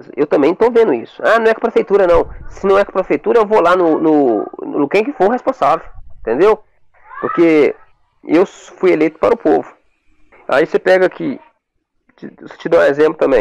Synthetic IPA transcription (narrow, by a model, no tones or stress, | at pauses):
zewt̪ɐ̃mbẽj̃t̪ovẽnd̪ʊisʊ̥anɐ̃w̃ɛkɪpɾefejt̪uɾɐnɐ̃w̃sɪnɐ̃w̃ɛkɪ̥pɾefejt̪uɾɐewvolanʊnʊnkẽj̃kɪfoɾhespõsavewẽt̪ẽnd̪ew | poɾke | ewfujelejt̪ʊ̥paɾʊpovʊ | a̰isepɛɡɐkʰɪ | t͡ʃɪst͡ʃɪd̪ɐ̃ũezẽmplʊt̪ɐ̃mbẽj̃